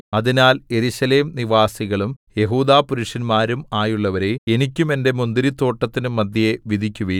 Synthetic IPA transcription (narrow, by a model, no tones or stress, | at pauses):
ɐðinaːle̞ɾuɕɐle̞ːmniʋaːsiɣɐɭumje̞ɦuːd̪aːpuɾuʂɐnmaːɾumaːjuɭːɐʋɐɾe̞enikʲːume̞nde̞mund̪iɾit̪ːo̞ːʈːɐt̪ːinumːɐd̪ʱjɐjeʋid̪ʱikʲːuʋi